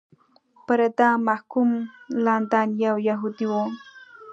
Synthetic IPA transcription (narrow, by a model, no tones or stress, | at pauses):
pəɾad̪ɑmahkumlɑnd̪ɑnjawjaɦud̪iwo